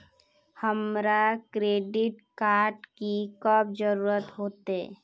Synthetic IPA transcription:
həmɾakɾeːɖɪʈkaːɾɖkikəb̚d͡ʒəɾuːɾət̪ɦoːt̪e

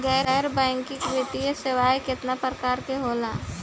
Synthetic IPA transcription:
ɡɛːɾɛɾbɛ̃ːŋkɪkʋɪt̪ijesɪʋaːjkɪt̪napɾəkaːɾkeɦoːlaː

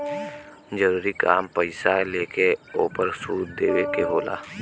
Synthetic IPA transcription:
d͡ʒəɾuːɾika̰ːmpəɪsaleːkeoːpəɾsuːt̪̚d̪eːʋekeɦoːla̰ː

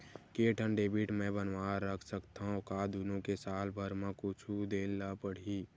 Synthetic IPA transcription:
keːʈʰənɖeːbiʈmẽbənwaːəkʰsəkt̪aɦõkaːd̪unõkesaːlbʱəɾmãkʊt͡ʃʰud̪eːnlapəɽ̤i

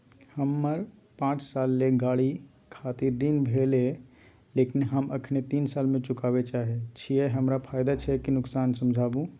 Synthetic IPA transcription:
həmːəɾpãːt͡ʃsaːlːeɡaːɽi | kʰaːt̪iɾd̪inbʱele | leːkinɦəməkʰnet̪iːnsaːlmẽt͡ʃʊkaːbet͡ʃaːɦet͡ʃʰieɦəmɾapʰaːjd̪at͡ʃʰɛkinʊksaːnsəmd͡ʒʱaːbũ

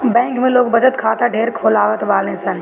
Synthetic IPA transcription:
bɛ̃ːŋkmẽloːɡbɐd͡ʒət̪kʰaːt̪aɖʱeːɾkʰoːlaːʋət̪baːlẽːsɐn

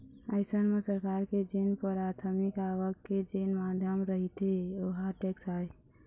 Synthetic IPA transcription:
aɪsənmẽsəɾkaːɾked͡ʒeːnpəɾaːt̪ʰəmikaːʋəkːed͡ʒeːnmaːd̪ʱjəmɾəɦit̪eoɦaʈeksaːe

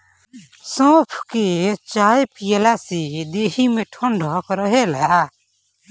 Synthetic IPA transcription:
sɔ̃ːpʰket͡ʃaːepijlasid̪eːɦimẽʈʰɔ̃ɳɖʱɔkɾəɦela

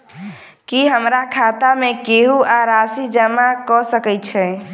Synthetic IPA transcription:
kiɦəmɾakʰat̪amekeɦuaɾasid͡ʒəmakɔsəkɛt͡ʃʰɛ

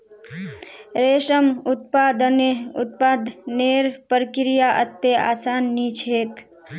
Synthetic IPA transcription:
ɾeːʃəmʊt̪̚paːd̪ənʊt̪̚paːd̪ʱneːɾpəɾkɾijaʔət̪ːea̰ːsaːnːiːt͡ʃʰeːk

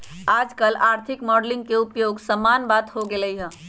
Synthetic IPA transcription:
aːd͡ʒkəlaːɾt̪ʰɪkmɔːɖlɪ̃ŋɡ̚keupjoːɡsəmaːnbaːt̪hoɡeləiɦɛ̃

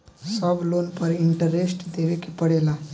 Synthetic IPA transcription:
səblonpəɾiɳʈəɾesʈd̪eʋekipəɽela

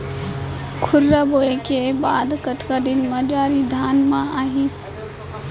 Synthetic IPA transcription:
kʰʊɾːaboːekebaːd̪kət̪kad̪ɪnmad͡ʒaːɾid̪ʱaːnmãaːɦĩ

